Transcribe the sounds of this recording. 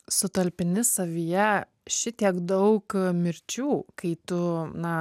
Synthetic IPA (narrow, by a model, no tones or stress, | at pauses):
sʊt̪ɐlʲpʲɪnʲɪsɐʋʲijɛ | ʃʲɪt̪ʲiɛkd̪ɐʊkmʲɪɾʲt͡ʃʲuːkɐɪt̪ʊnɐ